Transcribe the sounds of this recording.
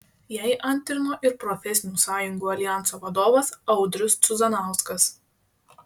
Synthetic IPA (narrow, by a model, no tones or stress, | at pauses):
jɛɪʔɐnʲˑt̪ʲɾʲɪnoːʔɪɾpɾɔfʲɛsʲɪnʲuːsɑːjʊŋɡuːɐlʲɪjæˑntsoːʋɐd̪oːʋɐsɐʊd̪ʲɾʲʊst̪sʲʊzɐnɑˑʊskɐs